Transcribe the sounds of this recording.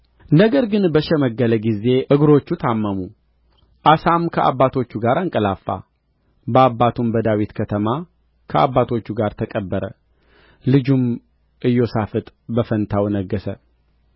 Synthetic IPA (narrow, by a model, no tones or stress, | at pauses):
nəɡəɾɡɨnbəʃɛməɡːələɡize̞ʔɨɡɾo̞t͡ʃːut̪ʰamːəmu | ʔasamkʰəʔa̰bːat̪ʰo̞t͡ʃːuɡaɾaŋkʼəlafːa̰ | bəabːat̪ʰumbəd̪awit̪kʰət̪ʰəma | kʰəʔa̰bːat̪ʰo̞t͡ʃːuɡaɾt̪ʰəkʼəbːəɾə̰ | lɨd͡ʒum | ʔɨjːo̞safɨt̪ʼbəfənt̪ʰawnəɡːəsə̰